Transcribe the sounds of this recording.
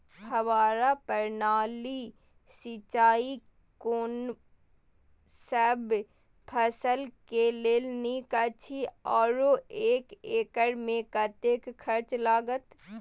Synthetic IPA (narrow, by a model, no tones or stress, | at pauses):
hɐʋaːɾapəɾnaːli | sɪt͡ʃaːi | koːn | səb | pʰəsəlkeleːlnikat͡ʃʰiɔːɾoeːkeːkəɽmẽkɐt̪eːkkʰɐɾt͡ʃlaːɡət̪